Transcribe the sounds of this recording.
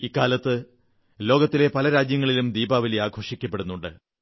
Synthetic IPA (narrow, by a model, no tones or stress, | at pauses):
ikːaːlɐt̪ːɨ | lo̞ːɡɐt̪ːile̞pɐlɐɾaːd͡ʑjɐŋːɐɭilumd̪iːbaːʋiliaːɡʱoːʂikʲːɐpːe̞ɽunːuɳɖɨ̰